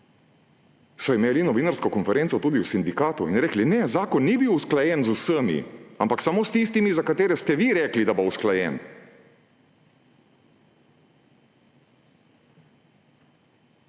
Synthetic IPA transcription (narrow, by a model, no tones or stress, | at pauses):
sɔimeːlinɔʋiːnaɾskɔkɔnfɛɾeːnt̪sɔt̪uːd̪iwsind̪ikaːt̪uinɾɛːklinɛzaːkɔnːibiwusklajɛnzusəmḭampaksamoːst̪ist̪imizakat̪eːɾɛst̪ɛʋiɾɛːklid̪abousklajɛ̰n